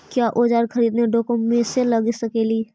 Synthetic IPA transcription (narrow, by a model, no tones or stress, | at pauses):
kjaːʔoːd͡ʒaːɾkʰəɾiːd̪neɖoːkommẽselɐɡsɐkeːliː